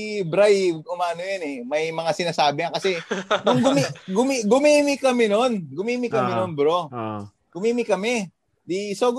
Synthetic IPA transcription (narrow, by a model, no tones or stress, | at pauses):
bɾajʊmaːnojɐnɛmɐjmɐŋasɪnaːsaːbɪɲɐkɐsɛnʊŋɡʊmiɡʊmiɡʊmiːmɪkɐmɪnonɡʊmiːmɪkɐmɪnonbɾo | ɡ̥ʊmiːmɪkɐmɛ | d̪isoːɡ